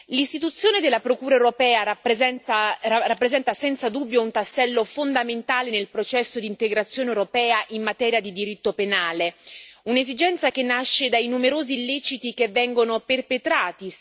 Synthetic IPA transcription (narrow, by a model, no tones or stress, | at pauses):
list̪it̪ut̪sːjoːned̪elːapɾokuːɾaewɾopɛːaapzɛ | rapːɾezɛnt̪asɛnt̪sad̪ubːjount̪asːɛlːofond̪ament̪aːlenelpɾot͡ʃɛsːod̪iːnt̪eɡɾat̪sːjoːnewɾopɛːaʔimːat̪ɛːɾjad̪id̪iɾit̪ːopenaːleunezid͡ʒɛnt̪sakenːaʃːed̪ajnumeɾoːzilːɛːt͡ʃit̪ikevːɛŋɡonoperpet̪ɾaːt̪i